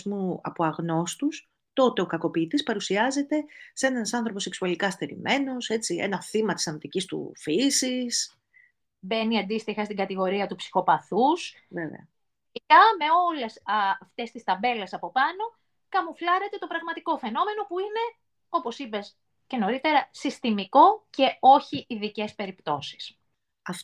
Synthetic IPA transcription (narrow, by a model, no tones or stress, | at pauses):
zmuɐ̰poɐɣno̞st̪us | t̪o̞t̪e̞o̞kɐko̞pit̪ispɐɾusiɐze̞t̪e̞se̞nɐnsɐnθɾo̞po̞seksuɐlikɐst̪e̞ɾḭmʔe̞no̞se̞t͡siḛnɐθimɐt̪i̥sɐnt̪icist̪ṵfisis | be̞niɐnd̪ist̪ixɐst̪iŋɡɐt̪iɣo̞ɾiɐt̪upsi̥xo̞pɐθus | vevḛɐ̰ | ɐme̞o̞lesft̪e̞st̪ist̪ɐbe̞lesɐpo̞pɐno̞ | kɐmuflɐɾe̞t̪e̞t̪o̞pɾɐɣmɐt̪iko̞fe̞no̞me̞no̞puine̞ | o̞po̞sipe̞s | ce̞no̞ɾit̪e̞ɾɐsist̪imiko̞ce̞o̞çiʔːðice̞spe̞ɾipt̪o̞si̥s | ɐf